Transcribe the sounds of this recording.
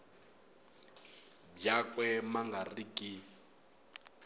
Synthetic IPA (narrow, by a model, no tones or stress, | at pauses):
bjakʼwɛmaŋɡarikʼi